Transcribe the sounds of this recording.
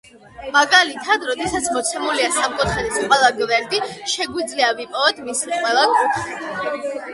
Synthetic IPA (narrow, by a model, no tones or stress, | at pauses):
maɡalit̪ʰad̪ɾɔd̪ɛsat̪sʰmɔt̪sʰɛmuliasamkʼut̪χɛniskʼwɛlˠaɡivɛɾd̪iʃɛɡwid̪zliavipʼɔvɛd̪ʰmisiqʼwɛlˠankʼut̪χɛ